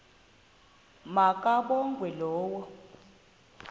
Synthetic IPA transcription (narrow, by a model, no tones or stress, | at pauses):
makʼaɓɔŋɡʱwɛlɔːwɔ